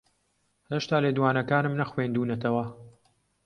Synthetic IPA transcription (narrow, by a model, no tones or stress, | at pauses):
heʃt̪aːleːd̪uwaːnɐkaːnɨmnɐxweːnd̪uːnɐt̪ʰɐwɐ